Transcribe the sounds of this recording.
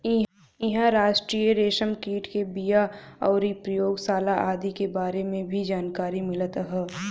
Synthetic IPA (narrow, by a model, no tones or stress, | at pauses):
ɪɦ | ɪɦãɾaːʃʈɾijəɾeːʃəmkiːʈkebijaɔːɾipɾəjoːɡsaːlaʔaːd̪ikebaːɾemẽbʱid͡ʒaːnkaːɾimɪlət̪ɦɛː